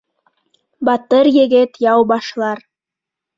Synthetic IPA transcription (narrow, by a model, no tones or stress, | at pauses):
bɑt̪əɾjĕɡet̪jɑwbɑʃlˠɑr